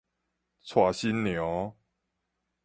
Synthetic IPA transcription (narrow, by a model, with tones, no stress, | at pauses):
t͡sʰwa˨˩ɕi˦nnjɔ˨˦